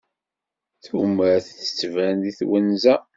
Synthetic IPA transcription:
θuməɾθθə̥t͡sːvænðiθwənzæ

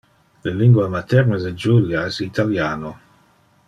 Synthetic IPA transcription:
leliŋɡwamat̪ɛɾnəded͡ʒuljaɛsit̪aljaːno

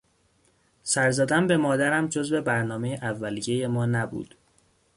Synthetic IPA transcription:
sæɾzæd̪æmbe̞mɒːd̪æɾæmd͡ʒo̞zve̞bæɾnɒːme̞jeʔævːælijeje̞mɒːnæbṵːd̪̥

